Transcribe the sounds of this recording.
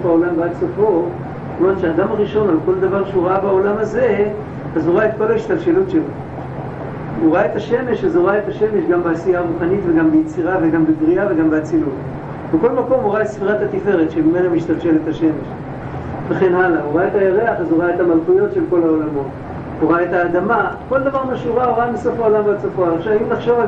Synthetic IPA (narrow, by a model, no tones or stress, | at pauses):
faolambasofo̞ | omet̪ʃeaːd̪amaʁiʃo̞nalko̞ld̪avaʁʃeuʁaabao̞lamaze̞ | azuʁaet̪̚ko̞laiʃt̪alʃe̞lutʃelo | uʁaet̪aʃe̞me̞ʃazoʁaet̪aʃe̞me̞ʃɡambeasijaʁuχanit̪veɡambejet͡siʁaveɡambeɡʁiaveɡambeat͡silut | beko̞lmako̞muʁaet̪sfiʁathat̪ife̞ʁet̪ʃemimelamiʃt̪alʃe̞let̪aʃe̞me̞ʃ | veχenhalauʁaet̪ajaʁeaχazuʁaet̪amalχujo̞tʃe̞lko̞laolamo̞t̪ | uʁaet̪aːd̪amako̞ld̪avaʁmaʃuʁauʁabesofaolamvat͡safoaaχʃavimnaχʃo̞va